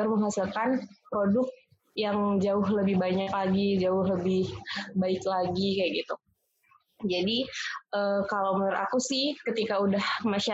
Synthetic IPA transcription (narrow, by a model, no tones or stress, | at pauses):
ərməŋɦasilkanpɾodʊk̚ | jaŋd͡ʒaʊɦləbɪhbaɲaklaɡid͡ʒaʊhləbɪhbaɪklaɡikajaɡit̪u | d͡ʒadiʔəkalawməʊɾa̰kusɪhkət̪ikaudahmaʃa